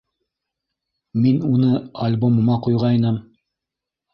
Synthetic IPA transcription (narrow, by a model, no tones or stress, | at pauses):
minunɤɐlʲbomɤ̆mɑqujʁɑjnɤm